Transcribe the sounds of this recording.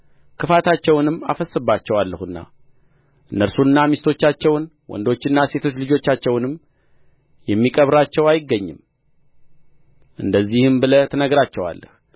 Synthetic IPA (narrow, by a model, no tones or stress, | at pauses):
kʰɨfat̪ʰat͡ʃːɛwnɨmːa̰fəsːɨbat͡ʃːɛwalːəhɨnːa̰ | ʔɨnːəɾsunːamist̪ʰo̞t͡ʃːat͡ʃːɛwn | wɔ̰nd̪o̞t͡ʃːɨnːase̞t̪ʰo̞t͡ʃːlɨd͡ʒo̞t͡ʃːat͡ʃːɛwnɨmː | jɛmːikʼəβɾat͡ʃːɛwajɪɡːəɲːɨ̰m | ʔɨnd̪əzːihɨmbɨlət̪ʰɨnəɡɾat͡ʃːɛwa̰lːə̰h